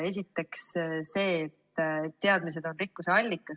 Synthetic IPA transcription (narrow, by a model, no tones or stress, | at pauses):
e̞s̬ʲit̪ːe̞ksse̞ːt̪ːet̪ːe̞ɑd̪mis̬e̞d̪o̞nrikːuse̞ɑlʲːikːˑɑ